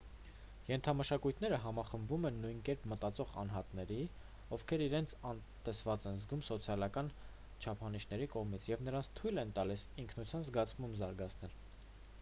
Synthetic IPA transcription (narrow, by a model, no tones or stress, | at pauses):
jɛnt̪ʰɑməʃɑkujt̪ʰnɛɾəɦɑmɑχəmbvumɛnːujnkɛɾpmət̪ɑt͡sɔʁɑ̰nɦɑt̪nɛɾi | ɔvkʰɛɾiɾɛnt͡sʰɑnt̪ɛsvɑt͡sɛnzɡumsɔt͡sʰjɑlɑkɑn | t͡ʃʰɑpʰɑniʃnɛɾikɔʁmit͡sʰjɛvnəɾɑnt͡sʰt̪ʰujlɛnt̪ɑlisiŋkʰnut͡sʰjɑnzɡɑt͡sʰmumzɑɾɡɑt͡sʰnɛl